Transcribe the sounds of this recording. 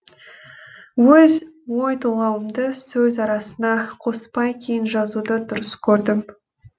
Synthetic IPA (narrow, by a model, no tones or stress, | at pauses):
wɵz | wo̞jt̪ʰulˠɑwəmd̪əsɵzɑɾɑsənɑqʰo̞spɑjkʲʰejɪnʒɑzud̪əd̪ʊɾəskʲʰɵɾd̪ɪm